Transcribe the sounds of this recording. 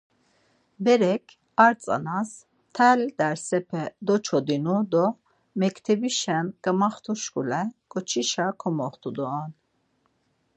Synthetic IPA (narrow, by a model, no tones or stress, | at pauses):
bɛɾɛkʰ | aɾt͡sʼa̰nas | t̪ʰɛld̪ɛɾsɛpʰɛd̪ɔt͡ʃʰɔd̪inud̪ɔ | mɛkʰt̪ʰɛbiʃɛmɡamaχt̪ʰuʃkʼulɛɡ̥ʼɔt͡ʃʰiʃakʰɔmɔχt̪ʰud̪ɔːn